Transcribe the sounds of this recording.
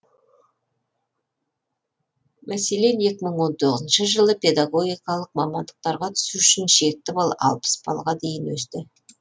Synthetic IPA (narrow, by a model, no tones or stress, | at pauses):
mʔæse̞le̞ne̞kʲɪməɴwo̞nt̪ʰo̞ʁəzənʃəʒəlˠəpʰe̞d̪ɑɡo̞ɡʲijkɑlˠəq̚mɑmɑnd̪əq̚t̪ɑɾʁɑt̪ʰʏ̥suʃɪnʒe̞t̪ːɪbɑlˠɑ̰lˠpə̥sbɑ̰lˠʁɑd̪e̞jɪnwɵst̪ɪ